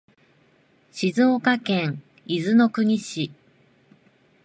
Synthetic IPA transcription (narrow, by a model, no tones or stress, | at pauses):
ɕizɨokakẽ̞ŋ | izɨno̞kɯ̟ɲ̟iɕi